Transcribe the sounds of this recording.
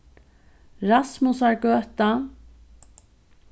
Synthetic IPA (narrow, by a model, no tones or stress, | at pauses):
ɹasmʊsaɹɡœːt̪a